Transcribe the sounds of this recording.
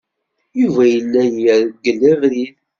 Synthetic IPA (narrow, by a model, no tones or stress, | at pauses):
juvæjəlːæjjəɾəɡːəlːævɾið